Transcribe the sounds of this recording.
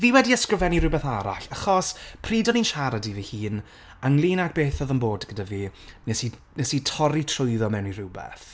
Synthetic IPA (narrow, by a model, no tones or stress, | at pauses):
viːwɛdiəskrɪvɛniɾʊbɛθaɾa̰ɬaχɔspʰriːdɔniːnʃaɾadivihiːn | əŋlˠiːnak̚b̥eːθɔðəmboːdɡədaviːnɛsi | nɛsitʰɔɾitʰrʊjðɔmɛwniɾʊbɛ̰θ